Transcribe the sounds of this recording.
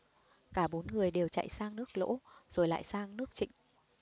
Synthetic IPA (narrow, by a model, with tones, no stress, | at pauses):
kaː˧˩ɓo˨˦nŋɨ˨˩əjɗe˨˩wt͡ɕa̰˧˨jsaː˧ŋnɨ˦˥ək̚lo̰˧˥z̥o˨˩jla̰ː˧˨jsaː˧ŋnɨ˦˥ək̚t͡ɕḭ˧˨ŋ̟